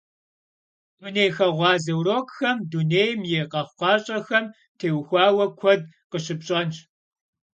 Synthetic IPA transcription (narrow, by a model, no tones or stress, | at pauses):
duneːjxɐʁʷɑːzɐwroːkʼxɐmduneːjmjeːqɐχʷqɑːɕʼɐxɐm | tʰeːwxʷɑːwɐkʷʰɔd̚ | qəɕɨpɕʼɐnt͡ʃ